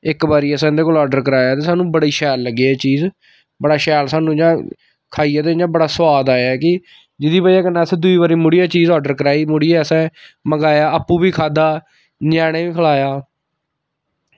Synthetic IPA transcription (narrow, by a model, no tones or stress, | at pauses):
ɪkbaːɾiːɛsɛ̃ːnd̪eːkoːlɔːɖəɾkəɾaːjaːt̪eːsaːnũːbəɽiːʃɛːlːəɡeːɛːt͡ʃiːz | bəɽaːʃɛːlsaːnũːɪd͡ʒãː | kʰaːiːaːt̪̬eːɪãːbəɽaːsəʋaːd̪aːjaːɛkɪ | d͡ʒɪd̪iːbajaːkənːãːsɛ̃ːd̪ʊiːbaːɾiːmʊɽiːaːt͡ʃiːzɔːɖəɾkəɾaːiːmʊɽiːɛːəsɛ̃ːməɡaːjaːaːpːũːbiːkʰaːd̪aː | ɲaːɽ̃eːʋiːkʰəlaːjaː